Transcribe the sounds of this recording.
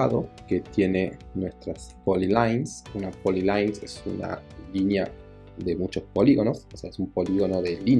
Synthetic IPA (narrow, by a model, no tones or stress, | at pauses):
aðoket̪je̞ne | nwest̪ɾaspolilajnsunapolilajnsḛsṵna̰linja | d̪e̞mut͡ʃo̞spo̞liɣo̞no̞soseaesumpo̞liɣo̞noðelin